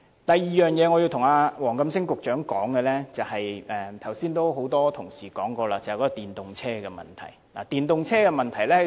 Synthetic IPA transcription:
t̪ɐ˨jːiː˨˩jœː˨ŋjɛː˨˧ŋɔː˨˧ji˧wt̪ʰʊ˨˩ŋaː˧wɔː˨˩ŋkɐ˧˥msɪ˥ŋkʊ˨k̚t͡ʃœː˨˥ŋkɔː˨˥ŋkɛ˧lɛː˥t͡sɐ˨whɐ˨jɛː˨t̪ʰɐ˨˩wsiː˥nt̪o˥wɦo˨˥wt̪ɔː˥t̪ʰʊ˨˩ŋsiː˨˩kɔː˨˥ŋkɔː˧laː˧t͡sɐ˨whkɔː˨˧˥ɔ˥˧t̪iː˨nt̪ʊ˨ŋt͡sʰɛː˥kɛ˧mɐ̰˨˩nt̪ʰɐ̰˨˩jla̰˨˩t̪iː˨˩nt̪ʊ˨ŋt͡sʰɛː˥kɛ˧mɐ˨nt̪ʰɐ˨˩jlɛː˥˨

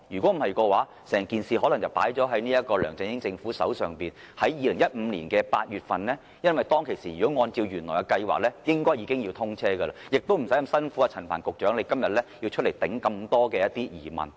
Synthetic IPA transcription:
jyː˨kʷɔː˨˥m̩˨˩hɐ˨jkɔː˧waː˨˥ | sɛː˨˩ŋkiː˨nsiː˨˩ɦɔː˨˥lɐ˨˩ŋt͡sɐ˨wpaː˨˥jt͡sɔː˨˥ɦɐ˨˥jniː˥jɐ˥t̚kɔː˧lœː˨˩ŋt͡sɪ˧ŋjɪ˥ŋt͡sɪ˧ŋfuː˨˥sɐ̰˨˥wsœː˨ŋpiː˨n | hɐ˨˥jjiː˧lɪ˨˩ŋjɐ˥t̚m̩˨˧liː˨˩nkɛː˧paː˧t̚jyː˨˩t̚fɐ˨nlɛː˥ | jɐ˥nwɐ˨˩jt̪ɔː˥ŋkʰe˨˩jsiː˨˩jyː˨kɔ˨˥ŋɔː˧nt͡siː˧wjyː˨˩nlɔː˨˩jkɐ˧kɐ˧jwa̰ː˨k̚lɛː˥jɪ˥ŋkɔː˥jiː˨˧kɪ˥ŋjiː˧t̪ʰʊ˥ŋt͡sʰɛː˥kə˧la˧jɪ˨k̚t̪o˥wm̩˨˩sɐ˨˥jkɐ˧msɐ˥nfuː˨˥a˧t͡sʰɐ˨˩npʰaː˨˩nkʊ˨k̚t͡ʃœː˨˥ŋle˨˧jkɐ˥mjɐ˨t̚lɛ˥jiː˧wt͡ʃʰɵ˥le˨˩jt̪ɪ˨˥ŋkɐ˧mt̪ɔː˥kɛː˧jɐ˥t̪iː˥jiː˨˩mɐ̰˨˩n

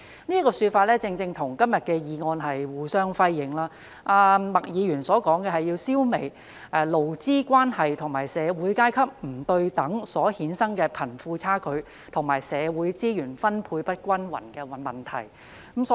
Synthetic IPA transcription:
niː˥kɔː˧syː˧t̚faː˧t̚lɛː˥t͡sɪ˧ŋt͡sɪ˧ŋt̪ʰʊ˨˩ŋkɐ˥mjɐ˨t̚kɛː˧jiː˨˧ŋɔː˧nɦɐ˨jwuː˨˩sœː˥ŋfɐ˥jːɪ˨˥ŋlaː˥ | ʔaː˧mɐ˨k̚jiː˨˧ɥyː˨˩nsɔː˨˥kɔː˨˥ŋkɛː˧hɐ˨jːiː˧wsiː˥wme˨˩j | ɛ˧lo˨˩wt͡siː˥kʷwaː˥nhɐ˨jt̪ʰʊ˨˩ŋmaː˨˩jsɛː˨˧wuː˨˥jkaː˥jkʰɐ˥p̚m̩˨˩t̪ɵ˧ɥt̪ɐ˨˥ŋsɔː˨˥hiː˨˥nsɐ˥ŋkɛː˧pʰɐ˨˩nfuː˧t͡sʰaː˥kʰɵ˨˧ɥ | t̪ʰʊ˨˩ŋmaː˨˩jsɛː˨˧wuː˨˥jt͡siː˥jyː˨˩nfɐ˥npʰuː˧jpɐ˥t̚kʷɐ˥nwɐ̰˨˩nkɛː˧ɐ˨mɐ˨˩nt̪ʰɐ̰˨˩j | msɔ˨˦

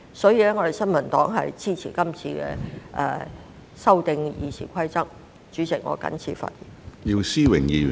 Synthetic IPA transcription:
sɔː˨˥jiː˧lɛː˥ŋɔ˨˧ɾe˨jsɐ˥nmɐ˨˩nt̪ɔː˨˥ŋɦɐ˨jt͡siː˥t͡sʰiː˨˩kɐ˥mt͡sʰiː˧kɛ̰ː˧ʔɛ˨˧ | sɐ˥wt̪ɪ˧ŋjiː˨˧sʰiː˨˩kʷʰɐ˥jt͡sɐ˥k̚ | t͡ʃyː˨˥sʰɪ˨˩ŋŋɔ̰ː˨˧kɐ̰˨˥nt͡sʰiː˨˩fɐ̰˨˩t̚jḭ˨˩ji˧wsiː˥wɪ˨˩ŋjiː˧˨

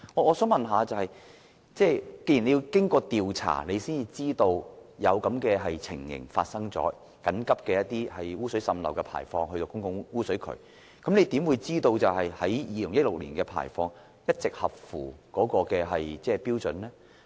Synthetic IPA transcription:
ŋɔː˨˧ɔː˨˧sœː˨˥ŋmɐ˨nɦaː˨˧t͡sɐ˨whɐ˨j | t͡sɛː˥˩ke˧jne˨˧ji˧wkɪ˥ŋkɔː˧t̪iː˨wt͡sʰa̰ː˨˩ne˨˧siː˥nji˧t͡siː˥t̪o˧wjɐ˨˧wkɐ˨˥mkɛː˧ɦɐ˨jt͡sʰɪ̰˨˩ŋjɪ̰˨˩ŋfaː˧t̚sɐ˥ŋt͡sɔ̰ː˨˥ | kɐ˨˥nkɐ˥p̚kɛ˧jɐ˥t̚t̪iː˥hɐ˨jwuː˥sɵ˨˥ɥsɐ˧mlɐ̰˨˩wkɛː˧pʰa̰ː˨˩jfɔː˧ŋɦɵ˧ɥt̪o˧kʊ˥ŋkʊ˧ŋwuː˥sɵ˨˥ɥkʰɵ̰˨˧ɥ | kɐ˨˥mne˨˧jt̪i˨˥mwuː˨˧jt͡siː˥t̪o˧wt͡sɐ˨wɦɐ˨jhɐ˨˥jjiː˨˧lʊ˨˩ŋjɐ˥t̚lʊ˨k̚lḭː˨˩nkɛː˧pʰa̰ː˨˩jfɔː˧ŋ | jɐ˥t̚t͡sɪ˨k̚hɐ˨p̚fuː˨˩kɔː˨˥kɔː˧kɛː˧ɦɐ˨jt͡sɛː˥˩pi˥wt͡sɵ˨nlɛː˥

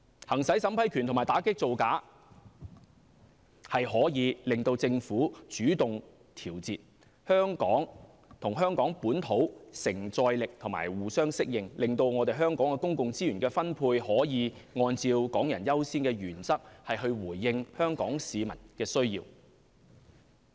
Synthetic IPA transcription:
hɐ˨˩ŋsɐ˨˥jsɐ˨˥mpʰɐ˨˥jkʰy˨nt̪ʰmaː˨˩t̪aː˨˥kɪ˥k̚t͡so˨wkaː˨˥ | hɐ˨jɦɔː˨˥jiː˨˧lɪ˨ŋt̪o˧wt͡sɪ˧ŋfuː˨˥t͡ʃyː˨˥t̪ʊ˨ŋ | t̪ʰiː˨˩wt͡siː˨t̚ | hœː˥ŋkɔː˨˥ŋ | t̪ʰʊ˨˩ŋɦœː˥ŋkɔː˨˥ŋpuː˨˥nt̪ʰo˨˥wsɪ˨˩ŋt͡sɔː˧jlɪ˨k̚t̪ʰʊ˨˩ŋma̰ː˨˩jwuː˨sœː˥ŋsɪ˥k̚jɪ˨ŋlɪ˨ŋt̪o˧wŋɔː˨˧t̪e˨jɦœː˥ŋkɔː˨˥ŋkɛ˧kʊ˥ŋkʊ˨ŋt͡siː˥jyː˨˩nkɛː˧fɐ˥npʰuː˧jhɔː˨˥jiː˨˧ŋɔː˧nt͡siː˧wkɔː˨˥ŋjɐ̰˨˩njɐ˥wsiː˥nkɛː˧ɥyː˨˩nsɐ˥k̚hɐ˨jɦɵ˧ɥwuː˨˩jːɪ˧ŋhœː˥ŋkɔː˨˥ŋsiː˨˧mɐ˨˩nkɛː˧sɵ˥ɥjḭː˧w

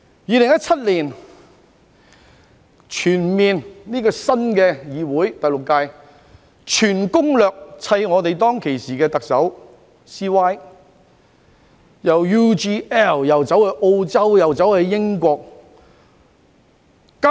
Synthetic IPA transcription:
jiː˨˧lɪ˨˩ŋjɐ˥t̚t͡sʰɐ˥t̚liː˨˩n | t͡ʃʰyː˨˩nmiː˨nniː˥kɔː˧sɐ˥nkɛː˧jiː˨˧wuː˨˥jt̪ɐ˨jlʊ˨kːaː˧j | t͡ʃʰyː˨˩nkʊ˥ŋlœː˨k̚t͡sʰɐ˧jŋɔː˨˧t̪e˨jt̪ɔː˥ŋkʰe˨˩jsiː˨kɛː˧t̪ɐ˨k̚sɐ˨˥w | siː˥waː˥j | jɐ˨˩wjuː˥t͡ʃiː˥ɛ˥˩ljɐ˨˩wt͡sɐ˨˥whɛ˨˧jʔo˧wt͡sɐ˥wjɐ˨˩wt͡sɐ˨˥whɐ˨˧jjɪ˥ŋkʷɔː˧k̚ | ka

